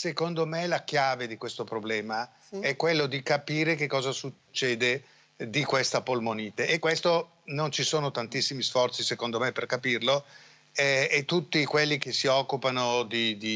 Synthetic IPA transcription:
sekond̪omelakjaːved̪ikwest̪opɾoblɛːma | ɛkːwelːod̪ikapiːɾekekːɔːzasut͡ʃːɛːd̪e | d̪ikwest̪apolmoniːt̪eʔːkːwest̪o | nont͡ʃisoːnot̪ant̪isːimisfɔrt̪sisekond̪omepːerkapirlo | ɛet̪ːut̪ːikwelːik̟esiɔkːupanod̪id̪i

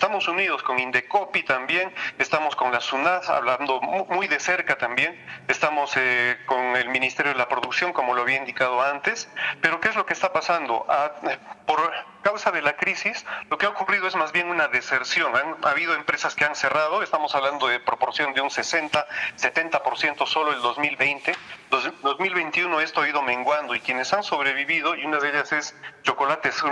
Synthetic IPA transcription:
est̪amo̞suniðo̞sko̞ŋind̪e̞kopit̪ambje̞ŋest̪amo̞sko̞nlasunasa̰βland̪o̞mujðe̞se̞ɾkat̪ambje̞ŋest̪amo̞sekoŋe̞lmĩnist̪e̞ɾjoelapɾo̞ðuksjo̞ŋko̞mo̞loaβiaind̪ikað̞oant̪e̞spe̞ɾo̞keezlo̞kest̪apasand̪o̞̰ʔapo̞ɾ | kawsaðe̞lakɾisislo̞keaokuriðo̞ezmazβje̞ŋunaðe̞se̞ɾsjo̞ŋanaβið̞o̞empɾe̞saskeanse̞rað̞oe̞st̪amo̞saβland̪oðepɾo̞po̞ɾsjo̞nd̪eunsese̞nt̪aset̪e̞nt̪apo̞ɾsje̞nt̪o̞so̞loeld̪o̞zmilβe̞jnt̪eod̪o̞zmilβe̞jnt̪iuno̞e̞st̪oaiðo̞mẽ̞ŋɡwand̪oikjene̞sanso̞βɾe̞βiβiðo̞iunaðeʎase̞st͡ʃo̞ko̞lat̪esu

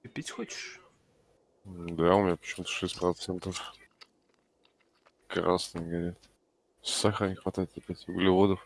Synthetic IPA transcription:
pʲitʲxɔt͡ɕɪ̥ʂ | d̪aʊmʲɪɲʲapə̥t͡ɕɪmut̪ə̥ʂɛsʲprɐt̪sɛnt̪əf | kra̰snəɡaɾʲet̪ | ssaxanʲixvɐt̪ajɪt̪ʲɪpʲætʲʊɡlʲɪvod̪əx

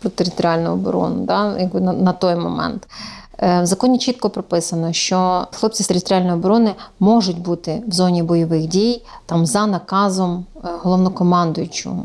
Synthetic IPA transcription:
pɾɔt̪eɾʲɪt̪ɔɾʲalʲnʊɔbɔ̰ɾɔ̰nʊ̰d̪ɑjɐɡ̚bɪnɐnɐt̪ɔjmɔmɛ̰nt̪ | ʋzɐkɔnʲit͡ʃit̪kɔpɾɔpɪsɐnɔʃt͡ʃɔxlˠɔp̚ʲt͡sʲit̪eɾʲɪt̪ɾʲɪalʲnɔjɔbɔɾɔnɪmɔʒʊtʲbut̪ɪwzɔnʲibɔjɔʋɪxdʲijt̪ɑmzɐnɐkɑzɔmɦɔlˠɔʋnɔkɔmɑnd̪ʊjʊt͡ʃʊ̰

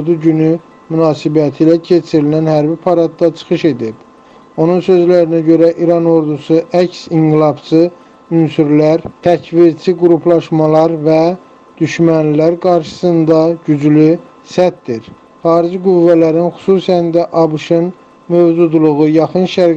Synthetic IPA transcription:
ɾd̪uɟyny | mynɑːsibæt̪ʰilæcʰe̞t͡ʃʰiɾilænhæɾbipʰɑɾɑd̪̚d̪ɑt͡ʃʰɯ̥xɯʃe̞d̪ib̥ | o̞nunsø̞zlæɾinæɟø̞ɾæʔiɾɑno̞ɾd̪usuʔæcsiŋɡilˠɑbt͡ʃʰɯ | ynsyɾlæɾt̪ʰæcviɾt͡ʃʰiɡuɾupʰlˠɑʃmɑlˠɑɾvæ | d̪̥yʃmænlilæɾɡɑɾʃɯ̥sɯnd̪ɑɟyd͡ʒly | sæt̪̚d̪iɾ | χɑːɾid͡ʒiɡuvːælæɾinxu̥suːsænd̪æʔɑbɯʃɯn | møvd͡ʒud̪lˠuɣujɑχɯnʃæɾ

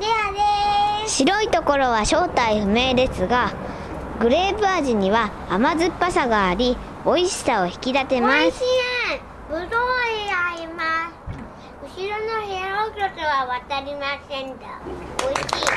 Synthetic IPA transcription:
d̪ead̪eɕiɾo̞it̪o̞ko̞ɾo̞β̞aɕo̞ːt̪aiɸɯ̟me̞ːd̪e̞sɨɡa | ɡɯ̟ɾe̞ːbɯaʑiɲ̟iβaː | mazɨpːasaɡaːɾʲi | o̞iɕi̥sao̞çi̥kʲid̪at̪e̞masĩ | bɯ̟d̪oiaimasɨ̥ | ɯ̟ɕiɾonoheɾokʲot̪oβaβat̪aɾʲimasẽnd̪aoiɕi

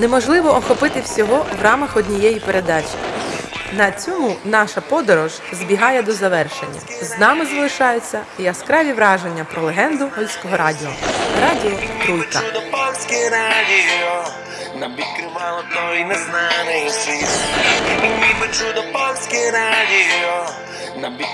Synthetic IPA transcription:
nɛmɔʒlˠɪʋɔʔɔxɔpɪt̪ɪwsʲɔɦɔwrɑmɐxɔdʲnʲijɛjipeɾʔe̞d̪ɑt͡ʃʲi | nɐt͡sʲɔmunɑʃɐpɔd̪ɔɾɔʒ | zbʲiɦɑjɛd̪ɔzɐʋɛrʃḛnʲːɐ̰ | znɑmɪzɐlˠɪʃɑjʊt͡sʲːɐjɐskɾɑʋʲiʋɾɑʒe̞nʲːɐpɾɔlˠeɦɛnd̪ʊɦɔlʲsʲkɔɦɔɾɑdʲiɔɾɑdʲiɔkɾujkɐud̪ɔpalʲsʲkɛɾaiɔ | nɐpʲit̪kɾɪʋalˠɔd̪nɔinɛznanɪjt͡ʃi | mipɔt͡ʃud̪ɔpɔlʲsʲkɛɾdʲiɔ | nɐpʲ

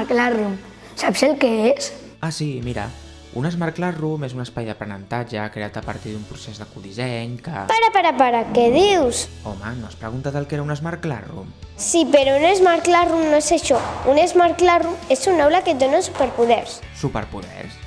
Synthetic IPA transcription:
ɾklarum | sapselkees | asimiɾə̰ | unəzmaɾklarumezunəspajðəpɾənənt̪ad͡ʒəkɾeat̪əpəɾt̪iðumpɾusezðəkuðizɛɲkə̰paɾapaɾapaɾakeð̞iwsomənospɾəɣunt̪aðəlˠkeɾaunəzmaɾkla̰rṵm | sipeɾounezmaɾklarumnoesaʃɔunezmaɾklarumesunawlaket̪̚d̪onasupeɾpuðɛɾs | supə̰ɾpuðɛ̰ɾs

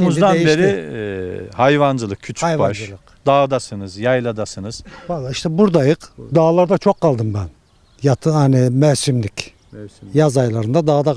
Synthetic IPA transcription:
muzd̪anjbeɾi | hajvand͡ʒɯlˠɯk̚ʰcʰyt͡ʃʰajvaad͡ʒɯɯq | d̪aːd̪asɯnɯzjajlˠad̪asɯnɯz̥valˠaiʃt̪ʰɛbuɾd̪ajɯqd̪aːlˠaɾd̪at͡ʃʰokʰːalˠd̪ɯmbæn | jat̪ʰanimɛɾsymlʲic | jazajlˠaɾɯnd̪ad̪aːd̪a

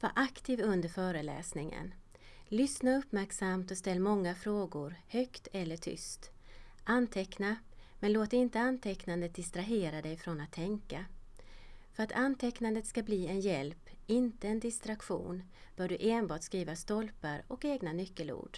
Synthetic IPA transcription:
va̰ːʔakt̪ʰiːvɵnd̪əɾfœːɾəlɛ̰ːsnɪŋə̰n | lʏsnaɵpːmæɾksamt̪ɔst̪ɛlːmɔŋːafɾoːɡʊɾhœkt̪ʰɛlːəʈʰʏ̰st̪ | ʔant̪ʰɛkna | mɛnloːt̪ɪnt̪əant̪ʰɛknand̪ət̪̚d̪ɪst̪ɾaɦeːɾad̪ɛjfɾɔnat̪ʰːɛŋka | fœɾat̪ʰant̪ʰɛknand̪ət̪skabliːɛnjɛlpɪnt̪əɛnd̪ɪst̪ɾakɧṵːn | b̥œːɖɵʔeːnbɑːʈskɾiːvast̪ɔlpaɾɔkeːɡnanʏkːəlṵːɖ̥

